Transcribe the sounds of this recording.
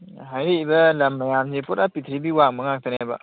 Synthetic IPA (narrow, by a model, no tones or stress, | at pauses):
ɦajɾiːbɐlɐmːɐjamzepɔtapit̪ʰɾibiwaŋ̚bɐŋak̚t̪ʰanejbɐ̰